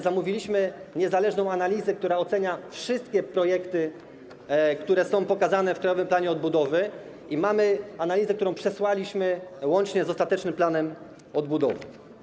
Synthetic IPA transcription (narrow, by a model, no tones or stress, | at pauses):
zamuvʲilʲiɕmɘɲɛzalɛʐnɔ̃w̃analʲizɛk̚t̪uɾaɔt̪sɛɲafʂɘst̪̚kʲɛpɾɔjɛkt̪ɘ | kt̪uɾɛsɔ̃w̃pɔkazanɛfkɾajɔvɘmplaɲɛɔd̪̚bud̪ɔvɘ | imamɘanalʲizɛk̚t̪uɾɔ̃w̃pʂɛswalʲiɕmɘwɔnt͡ʂɲɛzɔst̪at̪ɛt͡ʂnɘmplanɛm | ɔd̪̚bud̪ɔ̰vɘ̰